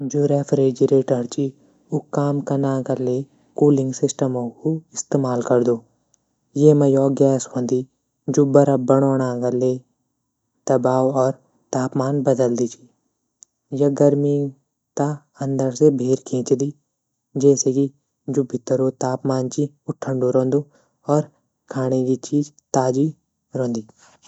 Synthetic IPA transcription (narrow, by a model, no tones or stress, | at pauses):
d͡ʒuːɾɛːfʰɾeːd͡ʒiɾeːʈəɾt͡ʃi | ʊkːaːmkɐnaːkɐle | kuːlɪ̃ŋɡsɪsʈəmokoɪst̪eːmaːlkɐɾd̪oː | jeːmɐjɔːɡɛːswə̃nd̪i | d͡ʒubɐɾabɐɽ̃ɔːɽ̃aːɡɐle | d̪̥ɐbaːwɔːɾ | t̪aːpmaːnbəd̪əld̪iːt͡ʃʰi | jɐɡəɾmi | t̪a | ə̃nd̪əɾsebʱeːɾkʰẽːt͡ʃd̪iː | d͡ʒɛːseːki | d͡ʒʊbʱɪt̪ːəɾot̪aːpmaːnt͡ʃi | ʊʈʰːəɳɖoɾõːnd̪oː | ɔːɾ | kʰaːñeɡit͡ʃiːd͡ʒ | t̪aːd͡ʒi | ɾõːnd̪iː